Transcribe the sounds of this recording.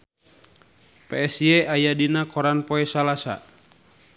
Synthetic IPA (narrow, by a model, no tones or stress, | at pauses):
pɛɛsiɛajadinakɔɾanpɔɛsalasa̰